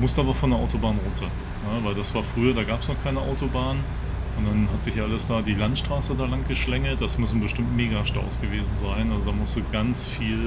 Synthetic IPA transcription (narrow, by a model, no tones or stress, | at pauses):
mʊstʔaːbɐfɔndeɐʔaʊtobaːnʁʊːtʰɐ | nəvaɪldasv̥aːɐfʁ̥yːɐdaːɡaːpsnɔχkʰaɪnəʔaʊtobaːn | ʔʊntd̥anɦatz̥ɪçʔaləsd̥aːdiːlantʃtʁ̥aːsədaːlaŋɡəʃlɛŋəlt̚d̥asmʏsn̩bəʃtɪmtmeːɡaʃtɔ̰ʊsɡ̥əveːzn̩zaɪnʔalzodaːmʊstd̥uːɡant͡sfiːl